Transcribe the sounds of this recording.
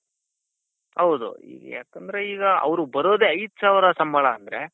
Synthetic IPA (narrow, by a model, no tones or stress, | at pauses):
hɐwd̪ṵḭːɡɐ̰ja̰ːkɐnd̪ɐɾe̞iːɡɐɐ̰ʋɾubɐɾoːd̪e̞ːɐjd̪usaːʋɾɐsɐmbɐɭɐːnd̪ɐɾe̞